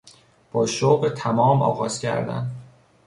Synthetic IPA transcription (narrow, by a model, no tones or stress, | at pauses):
b̥ɒːʃoʁet̪ʰæmɒːmɒ̰ːɣɒːz̥cʰæ̰ɾd̪æ̰n